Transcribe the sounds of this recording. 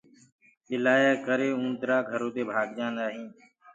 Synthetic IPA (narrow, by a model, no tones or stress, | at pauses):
ɓɪlaːjaːkəɾeːũːnt̪ɾaːɡʱəɾõːt̪eːbʱaːɡd͡ʒaːnaːɦĩː